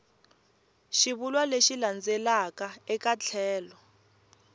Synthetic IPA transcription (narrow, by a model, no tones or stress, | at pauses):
ʃiβulwaleʃiland͡zɛlakaɛkat͡ɬʰɛːlɔ